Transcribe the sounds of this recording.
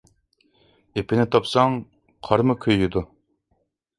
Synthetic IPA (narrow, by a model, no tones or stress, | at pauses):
epʰɪnɪt̪ʰɑpsɑŋ | qʰɑɾmɨkʲʰøjːyd̪u